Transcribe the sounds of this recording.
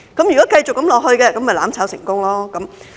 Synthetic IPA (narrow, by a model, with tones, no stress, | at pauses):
kɐ˨˥mjyː˨kɔː˨˥kɐ˧jt͡sʊ˨k̚ːɐ˨˥mlɔː˨k̚hɵ˧ɥkɛː˧kɐ˨˥mɐ˨˩jlaː˨˥mt͡sʰaː˨˥wsɪ̰˨˩ŋkʊ˥ŋlɔː˥kɐ˨˦m